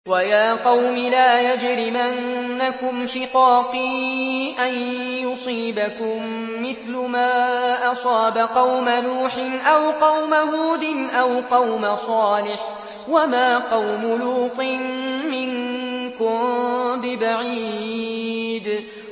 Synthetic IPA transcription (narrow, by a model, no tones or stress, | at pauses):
wajaːqɑwmɪlaːjad͡ʒɾɪmʔanːakʊmʃɪqɑːqiʔanjʊsˤiːbakʊmː | ɪθlʊmaːʔɑsˤɑːbaqɑwmanuːħɪnʔawqɑwmahuːd̪ɪnʔawqɑwmasˤɑːlɪħ | wamaːqɑwmʊluːqɨnːɪŋkʊmbɪbaʕiː | d̪